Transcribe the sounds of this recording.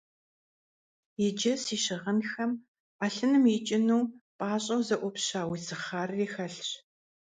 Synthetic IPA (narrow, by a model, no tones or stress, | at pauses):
jɪd͡ʒɐsiːʃɪʁɐnxɐm | aːɬɨnɨmjɪt͡ʃʼɪnuːpʼaːɕʼɐwzɐʔʷɔpɕaːwisɨχaːriːxɐɬɕ